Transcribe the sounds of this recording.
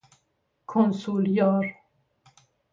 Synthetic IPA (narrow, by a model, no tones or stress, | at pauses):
kʰɔnsuljɔɾ